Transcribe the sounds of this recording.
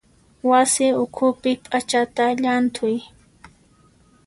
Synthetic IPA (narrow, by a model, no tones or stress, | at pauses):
wasɪʊkʰʊpɪpʼat͡ʃat̪aʎant̪ʰʊj